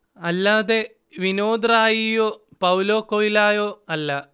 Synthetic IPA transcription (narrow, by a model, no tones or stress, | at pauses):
ɐlːaːðe̞ | ʋinoːd̪raːjijoːpɐwloːkːoilaːjoːɐlːɐ